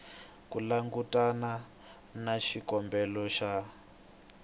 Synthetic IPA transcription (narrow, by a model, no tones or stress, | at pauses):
kulaŋɡutʼana | naʃikɔmbɛlɔʃa